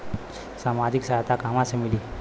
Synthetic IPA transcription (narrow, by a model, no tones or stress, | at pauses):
samad͡ʑiksaɦat̪akamasemiliː